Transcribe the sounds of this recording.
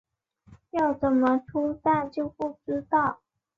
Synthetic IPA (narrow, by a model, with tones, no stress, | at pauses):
jɑ˥˩ʊt͡sə˨˩nmə˦ʈ͡ʂʰu˥sa˥˩t͡ɕjo˥˧ʊpu˥˩ʈ͡ʂɻ̩˥t̪ɑ˥˩ʊ